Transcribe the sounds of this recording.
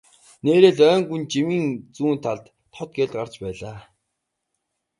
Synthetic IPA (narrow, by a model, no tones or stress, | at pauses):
neːɾeːɮœːŋɡunt͡ɕimiːnt͡suːnt̪ʰːaɮt̪ʰːɔt̪̚ɡeɮɢart͡ɕpæːɮaː